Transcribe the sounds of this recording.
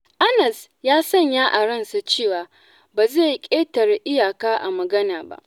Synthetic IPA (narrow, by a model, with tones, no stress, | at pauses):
ʔa˦nɐ˨s | jaː˦sɐ˦˨ɲjaː˦ʔa˨ɽɐ˦˨nsa˨t͡ʃeː˦˨waː˨ | baː˨ze˦˨kʲʼeː˦tɐ˨ɾʔɪ˦jaː˨kaː˦ʔa˨mɐ˨ɡɐ˦naː˨ba̰˦˨ʔ